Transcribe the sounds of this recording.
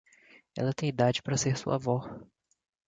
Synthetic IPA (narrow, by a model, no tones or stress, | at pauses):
ɛ̰lɐt̪ẽj̃id̪ad͡ʒɪpɾɐseɾsṵɐ̰vɔs